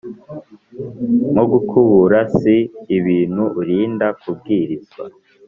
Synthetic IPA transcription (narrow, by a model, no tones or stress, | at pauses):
moɡukʰuβuɾasiːβiːn̥huʔːɾiːndakub̚ɡiːɾizɡwa̰